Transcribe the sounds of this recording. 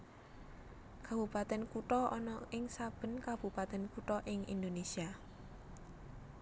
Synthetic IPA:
kab̥ṳpat̪ɛnkuʈɔɔnɔɪŋsab̥ə̤nkab̥ṳpat̪ɛnkuʈɔʔɪŋḭnd̪onesia

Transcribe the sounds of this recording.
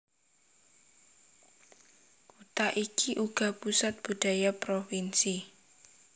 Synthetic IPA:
kut̪aʔikiʔuɡ̥a̤pusat̪̚b̥ud̥a̤japɾofinsi

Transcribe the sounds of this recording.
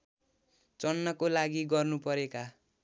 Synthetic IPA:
t͡sʌnːʌkolaɡiɡʌrnupʌɾeka

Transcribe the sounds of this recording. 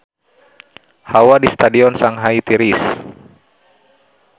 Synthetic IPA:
hawadist̪adiɔnsaŋɦait̪iɾis

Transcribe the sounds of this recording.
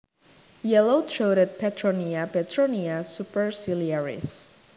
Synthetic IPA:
jɛlot̪ʰɾoɾɛd̪̚pʰɛt̪ʰɾɔniapɛt̪ʰɹɔniasupɛɹsiliɛɹḭs

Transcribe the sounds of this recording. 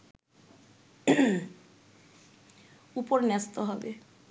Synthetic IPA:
upoɾnɛst̪oɦɔbe

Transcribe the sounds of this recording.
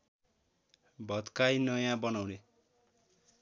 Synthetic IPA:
bʱʌt̪kajnʌjãbʌnawne

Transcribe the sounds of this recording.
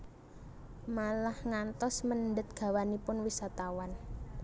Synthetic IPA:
malahŋant̪ɔsmənɳɖət̪̚ɡ̥a̤wanipʊnwisat̪awan

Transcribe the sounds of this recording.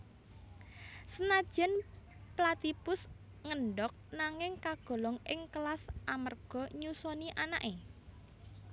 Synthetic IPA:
sənad̥ʒ̥ɛ̤nplat̪ipʊs | ŋəɳɖɔk̚naŋɪŋkaɡ̥ɔ̤lɔŋʔɪŋkəlasʔamərɡ̥ɔ̤ɲusɔniʔana̰ʔe

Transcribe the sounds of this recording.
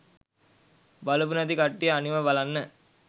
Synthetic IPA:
bɐlubunɐd̪ikɐʈːijɐɐniʋɐʋɐlɐnːə

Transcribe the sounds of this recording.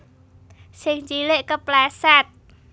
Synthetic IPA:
sɪŋt͡ʃileʔkəplɛsɛt̪̚

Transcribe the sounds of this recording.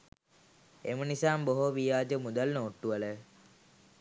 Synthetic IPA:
emənisaːmboɦoʋijaːd͡ʒəmud̪alnoːʈːuələ

